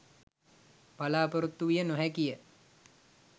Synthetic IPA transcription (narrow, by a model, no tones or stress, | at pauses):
palaːpəɾut̪ːuʋijənoɦɛkijə